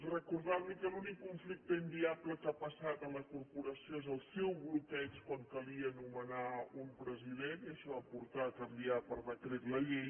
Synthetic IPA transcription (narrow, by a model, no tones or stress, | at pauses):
rəkuɾðawlikəlunikːuɱflik̚t̪əind̪iapləkapəsat̪ənləkuɾpuɾəsjoezəlˠsewɣlut̪ɛskwaŋkəliənumənaumpɾəziðeniəʃɔapuɾt̪akəmbiapəɾβət̪ɾeɾləʎej